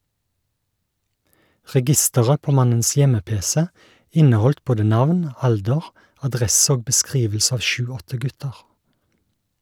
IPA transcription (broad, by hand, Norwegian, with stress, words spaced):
ʁɛˈɡɪstəʁə ˈpoː ˈmɑnəns ˈjɛməˌpeːsɛ ˈɪnəˌhɔlt ˈboːdə ˈnɑʋn ˈɑldəʁ ɑˈdʁɛs ˈoːɡ bəˈskʁiːʋl̩s ˈɑːʋ ˈʃʉːˌɔtə ˈɡʉtəʁ